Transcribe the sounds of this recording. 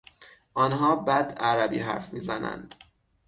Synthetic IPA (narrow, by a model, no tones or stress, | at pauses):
ʔɒːnɦɒːbæd̪æɾæbḭːɦæ̰ɾfmiːzænæ̰nd̪̥